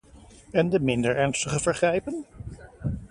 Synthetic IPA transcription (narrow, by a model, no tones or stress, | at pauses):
ɛndəmɪndəɹɛɹnstəχəvəɹχrɛjpən